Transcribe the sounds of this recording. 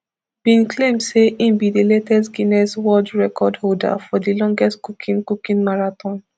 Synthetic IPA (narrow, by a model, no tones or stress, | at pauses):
b̥ĩnkʰlẽmdseʔĩmbidiletɛsɡinɛswɔd͡ʒɹɛkʰɔdholda̰fɔdilɔ̃ŋɡɛstkukʰĩnkukĩnmaɹatɔ̃n